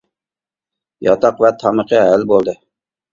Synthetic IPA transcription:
jɑt̪ɑqvɛt̪ʰɑməqʰəɦælbolˠd̪ɨ

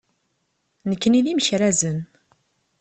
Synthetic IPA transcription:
nəkːəniðiməçɾæzən

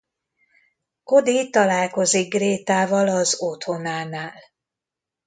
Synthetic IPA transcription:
ko̞d̪it̪ɒlaːlko̞ziɡ̚ɡreːt̪aːvɒlɒzot̪ho̞naːnaːl

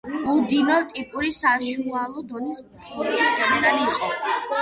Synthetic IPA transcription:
buld̪inɔt̪ʼipʼuɾisaʃualˠɔd̪ɔnis | ɔɾʼist̪ʼɛnʼɾaliːqʼɔ

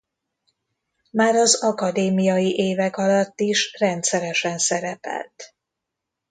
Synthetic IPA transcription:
maːɾɒzɒkɒd̪eːmijɒjiʔeːvɛkɒlɒt̪ːiʃrɛnt̪sɛɾɛʃɛnsɛɾɛpɛ̰lt̪

